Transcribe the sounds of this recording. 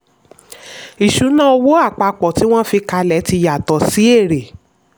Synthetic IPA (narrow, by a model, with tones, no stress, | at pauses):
i˨ʃu˨˦nã˦o˧wo˦a˦˨k͡pa˧k͡pɔ˨ti˨˦w̃ɔ̃˦fi˧ka˧lɛ˨˦ti˧ja˨tɔ˨si˨˦e˦˨ɾe˨